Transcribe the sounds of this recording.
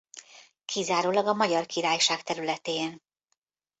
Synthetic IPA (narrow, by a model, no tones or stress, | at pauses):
kʰizaːɾoːlɒɡɒmɒɟɒrkiɾaːjʃaːkt̪ɛɾylɛt̪eːn